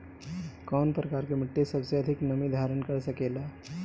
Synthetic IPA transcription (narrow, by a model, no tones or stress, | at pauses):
kɔːnpɾəkaːɾkemɪʈːesəbseɐd̪ʱɪknəmid̪ʱaːɾənkəɾsəkeːla